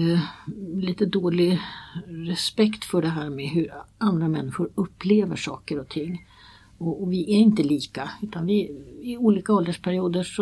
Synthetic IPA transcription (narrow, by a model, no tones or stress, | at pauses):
liːt̪əd̪oːlɪ | ɾɛspɛkt̪fœɖɛɦæːɾmeɦɵɾand̪ɾamɛnːɪɧʊɾɵpːleːvə̰ʂɑːkəɾɔt̪ʰɪŋː | ɔvɪʔæɾɪnt̪əliːkaʉ̟ːt̪anvɪɪuːliːkaɔld̪əʂpʰæɾɪuːd̪əʂɔ